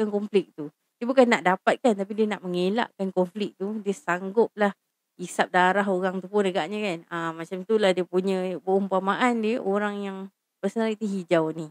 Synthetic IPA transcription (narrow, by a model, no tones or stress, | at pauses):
kankɔmflɪk̚t̪u | dəbukanːaʔdapat̪̚kant̪ap̬idiənaʔməŋela̰ʔkankɔmflɪk̚t̪udiəsaŋɡʊp̚lah | isap̚daɾaɦoɣaŋt̪upʊnəɡaʔɲə̃kanamat͡ʃamt̪ulahdiəpuɲə̃bəumpamaʔandiəʔoɾaŋjaŋ | pərsənaɾiʔt̪iɦid͡ʒawni